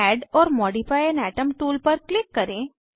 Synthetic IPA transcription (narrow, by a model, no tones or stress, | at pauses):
ɛːɖɔːɾmɔːɖifaːjənɛːʈəmʈuːlpɐɾklɪkːɐɾẽː